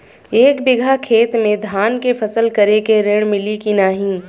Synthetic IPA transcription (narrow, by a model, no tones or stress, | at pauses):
eːkbɪɡʱakʰeːt̪mẽd̪ʱaːnkefʰɐsəlkɐɾekeɾeɽ̃mɪlikinaːɦĩː